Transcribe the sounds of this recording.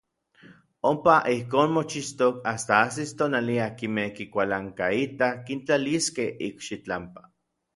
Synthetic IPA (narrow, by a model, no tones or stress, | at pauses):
ompaʔihkoːnmot͡ʃist̪okast̪aasist̪oːnaliakimehkikʷalaŋkait̪akint͡ɬaliskehḭkʃit͡ɬampḁ